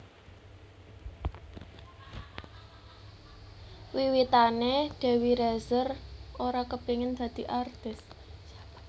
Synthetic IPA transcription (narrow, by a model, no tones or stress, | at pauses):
wiwit̪aneɖ̪̥ɛ̤wiɾezəroɾakəb̥eŋɪnd̪̥ä̤d̪̥i̤ʔart̪ɪs